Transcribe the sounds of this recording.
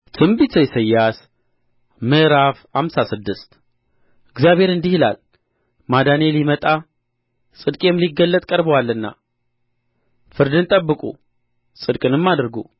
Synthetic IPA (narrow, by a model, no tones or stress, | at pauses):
t̪ʰɨmbit̪ʰəjsəjːas | mɨɾafhamsasɨd̪ːɨst̪ | ɨɡzjaβhe̞ɾɨnd̪ihɨla̰l | mad̪anelimət̪ʼa | sʼɨd̪kʼemliɡəlːət̪ʼkʼəɾbəwalːɨnːa̰ | fɨɾd̪ɨnt̪ʼəbːɨkʼṵ | sʼɨd̪kʼɨnɨmːad̪ɾɡu